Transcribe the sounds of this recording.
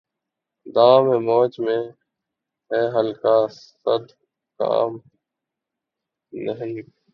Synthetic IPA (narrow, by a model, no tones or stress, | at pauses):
d̪aːmẽːmoːt͡ʃmẽː | ɦɛːɦəlkaː | əd̪ | ka̰ːm | nəɦiː